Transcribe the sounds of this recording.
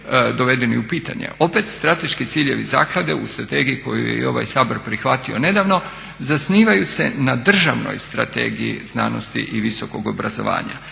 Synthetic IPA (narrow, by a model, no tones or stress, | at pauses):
d̪o̞ʋe̞d̪e̞niupiːt̪aɲḛʔo̞pe̞t̪st̪ɾat̪e̞ʃkit̪siːʎe̞ʋiza̰ːklˠad̪e̞ust̪ɾat̪e̞ːɡiiko̞jujeio̞ʋa̰jsaːboɾpɾixʋat̪io̞ne̞d̪aʋno̞ | zasniːʋajuse̞nad̪r̩ʒaʋno̞̰jst̪ɾa̰t̪e̞̰ːɡijḭzna̰ːno̞st̪ḭʔiʋiso̞ko̞ɡo̞bɾazo̞̰ʋa̰ːɲa̰